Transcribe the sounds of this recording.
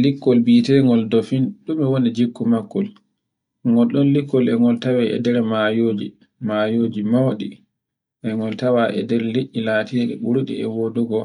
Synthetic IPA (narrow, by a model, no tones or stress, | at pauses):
likːɔlbitɛɾŋɡɔldɔfinɗumɛwonid͡ʒikːumakːɔl | ŋɡɔlɗɔnlikːɔlɛŋɡɔltawɛʔɛ̰dɛɾɛmajoːd͡ʒi | majoːd͡ʒimawɗi | ʔɛŋɡɔltawaʔɛ̰dɛɾleʔːilaːtiɾɗɛɓuɾuɗḭɛwoduɡɔ